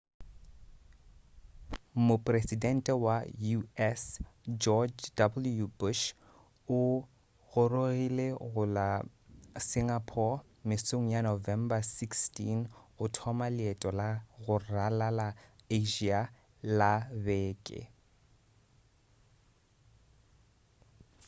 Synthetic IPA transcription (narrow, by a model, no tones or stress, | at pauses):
mʊpʼresidɛn̩tʼɛwajuɛsd͡ʒɔd͡ʒdabl̩jubʊʃ | ʊ | ɣʊroɣileɣʊla | sɪŋapʰɔ | mɪsoŋ̩janovɛmbasikstʰinʊtʰɔmalɪɛtʼɔlaɣʊralalaeʒia | labeːkʼɪ̰